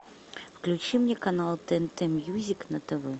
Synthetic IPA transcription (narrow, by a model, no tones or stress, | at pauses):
fklʲut͡ɕimnʲɛkanɑlˠt̪ɛnt̪ɛmʲjuzʲiknɐt̪əvɛ